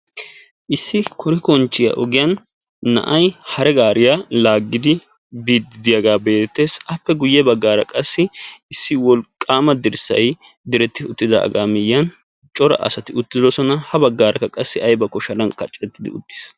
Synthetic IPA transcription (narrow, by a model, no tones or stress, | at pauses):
ʔɪsːɪkʰɔɾɪkɔnt͡ʃːɪjɐ̰ʔɔɡɪjɐnː | ɐ̰ʔɐjhɐɾɛɡaːɾɪjalaːɡːɪd̪ɪ | biːd̪ɪd̪ɪjɐɡaːbe̞ːt̪ːe̞ːsɐpːɛɡʊjːɛbɐɡːaːɾɐ̰kʼɐsːɪɪsːɪwɔlkʼːaːmɐd̪ɪɾsɐ̰j | d̪ɪɾɛt̪ːɪʊt̪ːɪd̪ɐ̰ʔɐ̰ɡa̰ːmɪjːɐn | t͡ʃʼɔɾɐ̰ʔɐ̰sɐt̪ɪʊt̪ːɪd̪ɔsɔnɐhɐbɐɡːaːɾɐkːɐkʼɐsːɪɐjbɐkɔʃɐlɐnkɐt͡ʃʼɛt̪ːɪd̪ɪ̰ʊ̰t̪ːɪ̥s